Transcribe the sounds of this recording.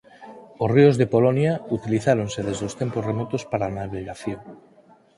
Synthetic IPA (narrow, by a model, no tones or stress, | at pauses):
osriozðepolonjaut̪iliθaɾonseðezðeost̪emposremɔt̪ospaɾanaβɾiɣaθjoŋ